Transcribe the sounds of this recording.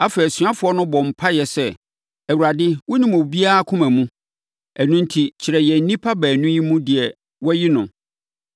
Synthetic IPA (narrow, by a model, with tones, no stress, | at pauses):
a˦fɛ˨i˨sɥa˦fʊ˨˦ɔ˦nʊ̃˦bɔ̃˨m̩˨pʰa˦jɛ˨sɛ˦ | æ˨wu˨ɾa˨dɪ˦wʊ˦nĩ˨mo˨bi˦a˦a˦˨kʰʊ̃˦mæ̃˨mũ˦ | æ˨nʊ̃˦n̩˦tʰi˨t͡ɕʰɪ˨ɾɛ˨jɛ˨n̩˦nĩ˦pʰa˦bæː˨nʊ̃˦ji˦mũ˦dɪ˨ɛ˨ | wɔ˦ji˦nʊ̃˨